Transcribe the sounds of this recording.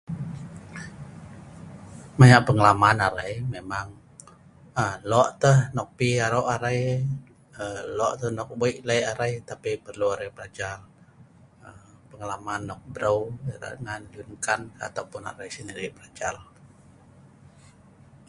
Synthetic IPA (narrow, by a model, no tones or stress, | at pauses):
majaʔpəŋəlamanaɾajmemaŋ | əlɔʔt̪əhnɔk̚piaɾoʔaɾaj | əlɔʔt̪əhnɔk̚boiʔlajaɾajt̪apipərluaɾajpəlad͡ʒal | əpəŋəlamanːɔk̚bɾəwɾa̰ŋand͡ʒunkana̰t̪awpʊna̰ɾajsəniɾiʔbəlad͡ʒal